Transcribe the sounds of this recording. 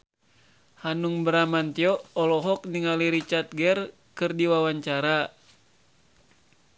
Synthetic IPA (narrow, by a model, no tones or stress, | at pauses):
hanuŋbəɾamant̪iɔɔlɔɦɔk̚niŋaliɾit͡ʃart̪̚ɡɛr | kɨrdiwawaɲt͡ʃaɾa